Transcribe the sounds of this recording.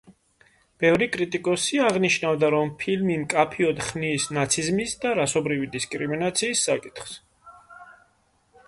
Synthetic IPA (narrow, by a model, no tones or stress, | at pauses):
b̥ɛvɾikʼɾit̪ʼikʼɔsiaʁniʃnavd̪aɾɔmpʰilmimkʼapʰiɔd̪χniːsnat̪sʰizmisd̪aɾasɔbɾivid̪iskʼɾiminat̪sʰiːsːakʼit̪ʰχs